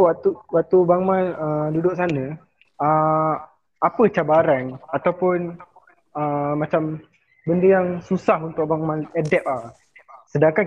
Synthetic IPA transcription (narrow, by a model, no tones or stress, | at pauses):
at̪uwaʔt̪ubaŋmanədudʊʔsanə̃ | ə | apət͡ʃabaɾaŋat̪awpʊn | əmat͡ʃam | bəndəjaŋsusahunt̪ʊk̚baŋmãnɛdɛp̚a | sədaŋka